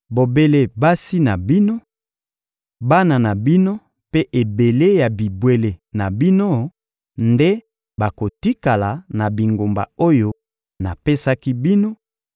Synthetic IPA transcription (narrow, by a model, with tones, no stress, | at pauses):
bo˨be˦le˦ba˦si˦na˨bi˦no˦ | ba˦na˨na˨bi˦no˦ | pe˦ʔe˨be˨le˦ja˨bi˨bwe˨le˨na˨bi˦no˦ | nde˦ | ba˨ko˨ti˦ka˨la˨na˨bi˨ŋɡo˨mba̰˨o˦jo˦ | na˨pe˦sa˦ki˦bi˦no˦